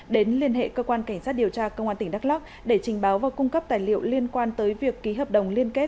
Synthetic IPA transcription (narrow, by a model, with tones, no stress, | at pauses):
ɗe˨˦nli˧ənɦḛ˧˨kəː˧kwaː˧nka˧˩ŋ̟saː˦˥t̚ɗi˨˩əwt͡ɕaː˧kə˧wŋ͡mʔaː˧nt̪ï˧˩ŋɗa˦˥k̚la˦˥k̚ | ɗe˧˩t͡ɕï˨˩ŋ̟ɓaː˨˦wvaː˨˩wkʊ˧ŋ͡mkə˦˥p̚t̪aː˨˩jlḭ˧˨ə˨wli˧ənkwaː˧nt̪əː˨˦jvi˨˩əkːi˨˦ɦəː˨˩p̚ɗə˨˩wŋ͡mli˧ənke˦˥t̚